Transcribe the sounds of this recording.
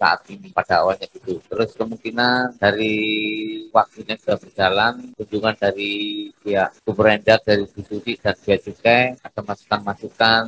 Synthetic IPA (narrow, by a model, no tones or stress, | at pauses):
sa̰ʔa̰t̪̚inipadaa̰walɲaɡit̪ut̪əɾʊskəmuŋkinandaɾi | wak̚t̪uɲad͡ʒudaʔbərd͡ʒalankuɲd͡ʒuŋandaɾisiaʔkubəɾɛndak̚daɾistit̪usid̥ansiaʔt͡ʃukajadamasu̥kanmasukan